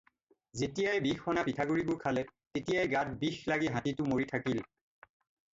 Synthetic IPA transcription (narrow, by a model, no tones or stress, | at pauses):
zetijajbixɔnapitʰaɡuɹibʊɹkʰalɛtetijajɡat̚bixlaɡiɦãtitʊmoɹitʰakil